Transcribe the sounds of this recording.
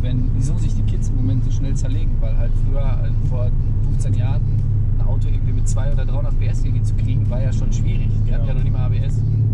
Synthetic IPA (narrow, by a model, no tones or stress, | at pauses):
vɛnviːzoːzɪçd̥iːkʰɪtt͡səɪmomɛntz̥oʃnɛlt͡sɛɐleːɡŋ̩vaɪlhaltfʁ̥yːɐ | foːɐ | fʊnft͡sɛnjaːʁən | nʔa̰ʊtoʔɪɡ̩vimɪt̚t͡sv̥aɪʔoːdɐdʁaɪhʊndɐtpb̥eːʔɛsʔɪŋvit͡su̥kʁ̥iːɡŋ̩vaːɐjaːʃoːnʃv̥iːʁɪçihatjanɔnɪmaːbeɛs